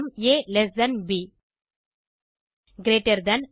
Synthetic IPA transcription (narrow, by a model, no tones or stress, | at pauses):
mjelesd̪ɐnbi | ɡɾeːʈɐɾd̪ɐn